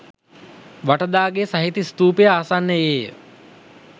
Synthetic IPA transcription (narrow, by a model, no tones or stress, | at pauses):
ʋaʈəd̪aːɡesaɦit̪ist̪uːpejəaːsanːəeːjə